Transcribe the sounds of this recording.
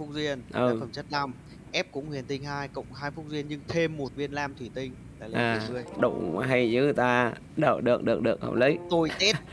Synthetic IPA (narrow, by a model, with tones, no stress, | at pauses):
fʊ˦˥k̚zwi˧ənʔɨ˨˩fə˧˩mt͡ɕə˦˥t̚na˧m | ʔɛ˦˥p̚kʊ̰˧˥ŋ͡mhwi˧˩ənt̪ï˧ŋ̟haː˧jkə̰˧˨wŋ͡mhaː˧jfʊ˦˥k̚zwi˧ənɲɨ˧ŋt̪ʰe˧mːo˨˩t̚vi˧ənlaː˧mt̪ʰwi˧˩t̪ï˧ŋ̟ | laː˨˩lʔaː˨˩˨zɨ˧əjɗṵ˧˩ɦa˧jzɨ̰˨˦t̪aː˧ | ɗəː˧˩ɗɨ˨˩ək̚ɗɨ˨˩əɗɨ˨˩ək̚hə̰˧˩ŋ͡mlḭ˧˦jt̪o˧jt̪e˦˥